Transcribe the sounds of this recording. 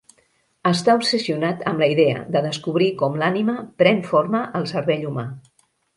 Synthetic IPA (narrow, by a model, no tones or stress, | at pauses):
əst̪aupsəsiunat̪əmləiðeə̰d̪əðəskuβɾikɔmlaniməpɾɛnfoɾməʔəlˠsəɾβɛʎuma